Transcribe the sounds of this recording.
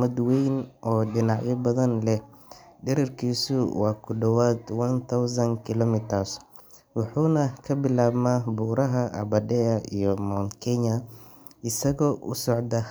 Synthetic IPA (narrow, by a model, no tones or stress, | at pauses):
ɐd̪wejnʔɔːɖɪnɑʕjɔbɐðɐnlɛɖɛɾɐrkʰiːsʊwɑːkʰʊɖɐwaːd̪wɐnt̪ʰawsɐnkʰɪlɔmɪt̪ʰɐs | wɑħuːnɐkʰɐbɪlaːbmaːbuːɾɐɦɐʔɐ̰bɐdɛɐḭjɔmɔŋkʰɛɲɐ | ɪsɐɣɔːʔʊ̰sɔʕd̪ɐ